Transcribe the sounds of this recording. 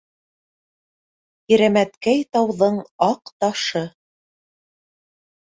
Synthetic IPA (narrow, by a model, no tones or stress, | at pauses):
iɾæmæt̪kæjt̪ɑwðɤɴɑqt̪ɑʃɤ